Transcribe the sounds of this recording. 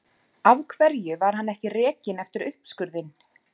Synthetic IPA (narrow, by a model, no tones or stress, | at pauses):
avkʰvɛɾjʏvaɾ̥hanːɛhcɪrɛːcɪnɛft̪ɪɾʏhpskʏɾðɪn